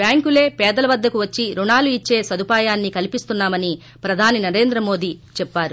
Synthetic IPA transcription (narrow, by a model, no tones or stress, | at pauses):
bjaːŋkule̞ːpɛːd̪ɐlɐʋɐd̪ːɐkuʋɐt͡ʃːiɾuɳaːluit͡ʃːe̞ːsɐd̪ʱupaːjaːnːikɐlipist̪unːaːmɐni | pɾɐd̪ʱaːninɐɾe̞ːnd̪ɾɐmo̞ːd̪it͡ʃɛpːaːɾu